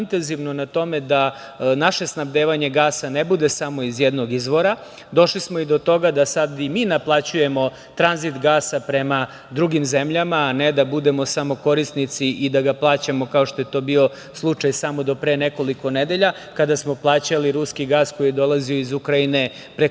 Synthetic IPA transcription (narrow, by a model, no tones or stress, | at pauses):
nt̪e̞nziʋnonat̪o̞med̪a | naʃe̞snabd̪eːʋaɲe̞ɡaːsanebud̪e̞samo̞izjɛd̪no̞ɡizʋo̞ɾa | d̪o̞ʃlismo̞id̪ot̪o̞ɡad̪asad̪imiːnaplˠat͡ɕuje̞mo̞ | t̪ɾanzit̪ɡaːsapɾe̞ma | d̪ɾuɡimzemʎamaːned̪abud̪e̞mo̞samo̞ko̞ɾist̪nit̪siʔid̪aɡaplˠaːt͡ɕamo̞kao̞ʃt̪o̞jet̪o̞ːbio̞ | slˠut͡ʂajsamo̞d̪o̞pɾeːneko̞liko̞ned̪e̞ʎa | kad̪asmo̞plˠaːt͡ɕaliɾuskiɡaːsko̞jijed̪o̞lˠazio̞izukɾaine̞ | pɾe